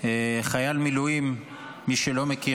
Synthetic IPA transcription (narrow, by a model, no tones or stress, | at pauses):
eχajalmilujimː | iʃelo̞meki